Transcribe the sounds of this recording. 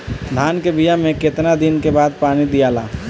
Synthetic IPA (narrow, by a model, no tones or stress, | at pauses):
d̪ʱaːnkebijamẽket̪nad̪ɪnkebaːd̪̚paːnid̪ijaːla̰ː